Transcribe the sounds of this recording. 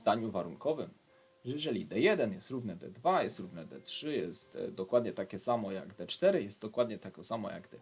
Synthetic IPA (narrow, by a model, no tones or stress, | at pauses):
zd̪aɲuvaɾuŋkɔvɘm | ʐɛjɛʐɛlʲid̪ɛjɛd̪ɛnjɛst̪ɾuvnɛd̪ɛ̰d̪vajɛst̪ɾuvnɛd̪ɛ̰tʂɘjɛst̪d̪ɔkwad̪ɲɛt̪akʲɛsamɔja̰ɡd̪ɛt͡ʂt̪ɛɾɘjɛst̪d̪ɔkwad̪ɲɛt̪akɔ̃samɔ̰ja̰ɡd̪ɛ